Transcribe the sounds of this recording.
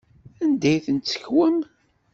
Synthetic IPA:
ænd̪æjθənt̪sə̥çwəm

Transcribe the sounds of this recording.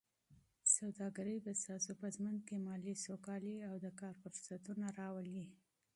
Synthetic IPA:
sawd̪ɑɡaɾəjbast̪ɑsopəzmən̚kemɑlisokɑliawd̪əkɑɾfʊɾsat̪unaɾɑwəli

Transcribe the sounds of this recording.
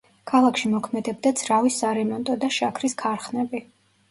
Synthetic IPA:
kʰalˠakʰʃimɔkʰmɛd̪ɛb̚d̪ad̪zʰɾavisaɾɛmɔnt̪ʼɔd̪aʃakʰɾiskʰaɾχnɛbi

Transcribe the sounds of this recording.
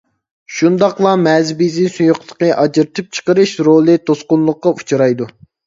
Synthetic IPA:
ʃund̪ɑqlˠɑmɛzbizisujuqlˠə̥qəʔɑd͡ʒɨɾt̪ʰɨp̚t͡ʃʰə̥qəɾɨʃɾolˠɨt̪ʰosqʊnlˠʊqːɑʔut͡ʃʰɾɑjd̪u

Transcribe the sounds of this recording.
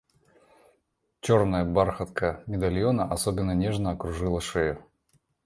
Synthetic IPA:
t͡ɕo̞rnəjəbarxət̪kəmʲɪd̪alʲjonəʔɐsobʲɪnːənʲe̞ʐnəɐkɾʊʐɨlˠəʂɛjʊ

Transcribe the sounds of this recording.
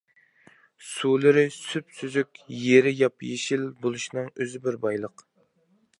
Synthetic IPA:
sulˠɨɾɪsypsyzykʲjeɾɪjɑpjeʃilbolˠuʃinɨŋøzɪbɪɾbɑjlˠəq

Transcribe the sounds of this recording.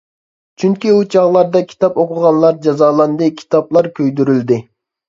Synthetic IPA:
t͡ʃʰyŋkʲiut͡ʃʰɑʁlˠɑɾd̪ɑkʲʰi̥t̪ɑpoqʰʊʁɑnlˠɑɾd͡ʒɑzɑːlˠɑnd̪ɨkʲʰi̥t̪ɑplˠɑɾkʲʰøjd̪yɾyld̪ɪ

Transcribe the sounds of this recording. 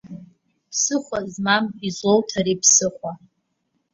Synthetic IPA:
pʰsɨχʷazmamizowtʰaɾipʰsɨχʷa

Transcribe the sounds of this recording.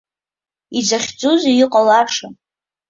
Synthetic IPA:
id͡zaχʲd͡zʼuzijiqʼalaʂan

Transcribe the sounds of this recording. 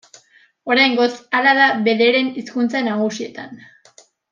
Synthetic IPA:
o̞ɾajŋɡo̞t͡salaðaβe̞ðeɾe̞niskunt͡sanaɣ̞usie̞t̪an

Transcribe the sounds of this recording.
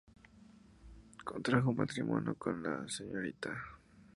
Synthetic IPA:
kont̪ɾaxomat̪ɾimʔonokonla̰seɲoɾit̪a

